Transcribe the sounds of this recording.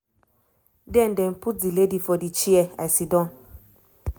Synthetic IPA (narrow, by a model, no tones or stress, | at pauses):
dɛn̩dɛm̩pud͡ziledifɔdit͡ʃiɛa̰sidɔ̃